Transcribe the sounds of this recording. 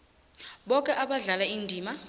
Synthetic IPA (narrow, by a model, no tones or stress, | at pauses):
ɓɔkʼɛʔaɓaɮalaindʱiːma